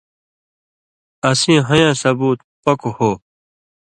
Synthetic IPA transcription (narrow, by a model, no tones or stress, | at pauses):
ɐsĩːɦɐjãːsɐbuːt̪ | pɐkohoː